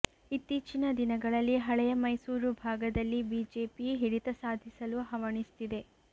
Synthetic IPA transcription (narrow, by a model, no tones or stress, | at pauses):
it̪ːiːt͡ʃinɐd̪inɐɡɐɭɐlːiɦɐɭɛjɐmɐjsuːɾubʱaːɡɐd̪ɐlːibiːd͡ʒeːpiɦiɽit̪ɐsaːd̪ʱisɐluɦɐʋɐɳist̪id̪e̞